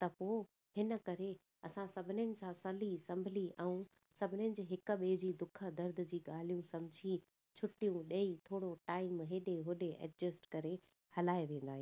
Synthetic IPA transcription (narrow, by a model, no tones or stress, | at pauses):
t̪ɐpoː | hɪnə̆kɐɾe | ɐsãsɐbʱɪnɪənɪ̆sãsɐlisɐ̃mbʱɪliʔɛ̃ũ | sɐbʱɪnɪənɪ̆d͡ʑeɦɪkʊɓeːd͡ʑiːd̪ʊkʰəd̪ɐɾd̪ʱd͡ʑiːɠaːl̤ijũsɐ̃mʊd͡ʑʱi | t͡ɕʰʊʈijũɗɐit̪ʰoːɽoʈaːɪmɦeːɗeɦʊɗeʔɛ̰ʈd͡ʑəsʈkɐɾe | hɐlaːeʋẽːn̆d̪aːɦĩj̃